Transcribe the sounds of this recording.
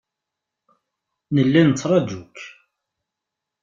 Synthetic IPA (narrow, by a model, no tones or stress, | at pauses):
nəlːænət͡sːɾˤɑd͡ʒuk